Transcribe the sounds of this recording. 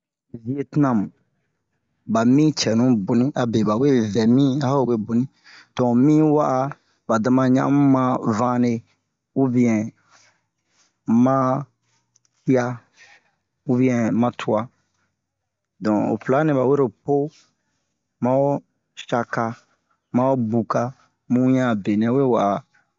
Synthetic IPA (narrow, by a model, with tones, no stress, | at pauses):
vi˦e˨tnã˨mũ˨ | ba˨mĩ˦t͡ʃɛ˨nũ˦bu˨nĩ˦ʔa˨be˨ba˨we˦vɛ˨mĩ˦a˦ho˦˨we˦bu˨nĩ˦ | d̥ɔ̃˨mĩ˦wa˦ʔa˧ | ba˨dã˨˧mã˧ɲã̰˦mũ˦mã˧vã˦ne˧ | wu˦bĩ˦ɛ̃˨ | mã˦ | hi˦a˧ | wu˦bĩ˦ɛ̃˨mã˧tʰu˦a˧ | dɔ̃˨o̰˨pla˨˦nɛ̃˨ba˨we˦ɾo˨po˦ | mã˦o˦ | ʃa˧ka˧ | mã˦o˦bu˨ka˧ | mũ˦ɲã˦˨be˨nɛ̃˨˦we˦˨wa˨ʔa˨